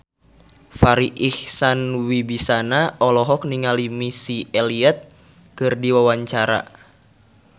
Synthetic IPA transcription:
faɾiʔihsanwibisanaɔlɔɦɔk̚niŋalimisiɛliɛt̪̚ | kɨrdiwawaɲt͡ʃaɾa̰

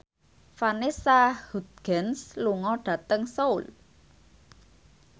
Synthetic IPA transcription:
fanisahud̪̚ɡ̥ɛnsluŋɔɖ̥ä̤t̪əŋsoul

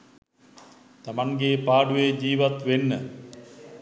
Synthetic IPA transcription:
t̪amaŋɡeːpaːɖujed͡ʑiːʋat̪ʋenːə

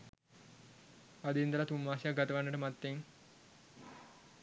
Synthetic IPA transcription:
ad̪iind̪əlat̪umːaːsijakɡat̪əʋanːəʈəmat̪ːeŋ

